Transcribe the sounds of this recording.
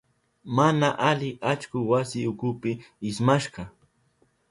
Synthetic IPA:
manaʔalɪʔat͡ʃkʊwasɪʊkʊpɪɪsmaʃɢɑ

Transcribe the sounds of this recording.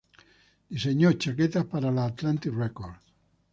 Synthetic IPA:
d̪̥iseɲot͡ʃaket̪aspaɾalaːt̪lant̪irekoɾ

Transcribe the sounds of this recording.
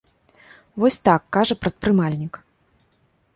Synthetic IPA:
vɔsʲt̪akːaʐɐpɾɐt̪̚pɾɨmalʲnʲik

